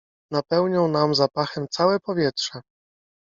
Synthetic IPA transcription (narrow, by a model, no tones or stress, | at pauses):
napɛwɲɔ̃w̃namzapaxɛmt̪sawɛpɔvʲjɛt̪ʂɛ